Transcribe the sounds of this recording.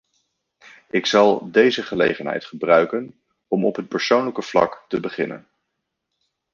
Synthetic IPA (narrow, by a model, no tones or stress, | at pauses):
ɪksɑlˠdejzəχəlḛjχənɦɛ̰jtχəbrœɥkən | ɔmɔpɦət̚pəɹsownləkəv̥lɑ̰ktəbəχɪnə̰n